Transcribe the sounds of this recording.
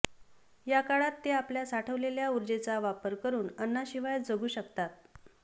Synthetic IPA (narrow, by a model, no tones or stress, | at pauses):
jakaɭat̪ːeapljasaʈʰəʋleljauɾd͡zet͡saʋapəɾkəɾuːnənːaɕiʋajd͡zəɡuːɕəkt̪at̪̚